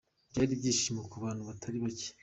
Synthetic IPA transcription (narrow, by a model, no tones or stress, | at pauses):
bɟaːɾibɟiːʃimokuβaːnuβatʰaɾiβace̥